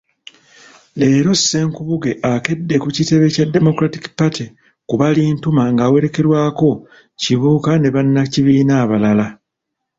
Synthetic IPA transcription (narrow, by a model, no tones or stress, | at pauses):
e̞ːɾo̞sːe̞ːŋkuβuɡe̞ʔake̞dːe̞kucite̞βe̞cadːe̞mo̞kɾatikpatʰi | kuβaliːntumaŋɡaːwe̞ɾe̞ke̞ɾwaːko̞ | ciβuːkane̞βanːaciβiːnaːβalala